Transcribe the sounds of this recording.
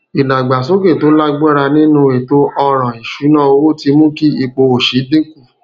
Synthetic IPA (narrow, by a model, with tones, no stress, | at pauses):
i˨la˨ɡ͡ba˨s̬o˦ɡe˦˨to˨˦la˦ɡ͡bɛ˦ɾa˧nĩ˦nũ˧e˨to˦ʔɔ˧ɾ̃ã˨i˨ʃu˨˦nã˦o˧wo˦ti˧mũ˦ki˦i˧k͡po˧o˨ʃi˨˦dĩ˦ku˦˨